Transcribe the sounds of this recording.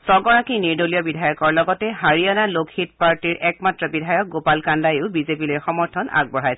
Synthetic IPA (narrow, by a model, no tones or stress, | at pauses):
sɔɡɔɹakiniɹdolijɔbidʱajɔkɔɹlɔɡɔtɛɦaɹijanalokʰit̚paɹtiɹɛkmatɹɔbidʱajɔk̚ɡopalkandajʊʊbizepilojxɔmɔɹtʰɔna̰ɡ̚bɔɹajsɛ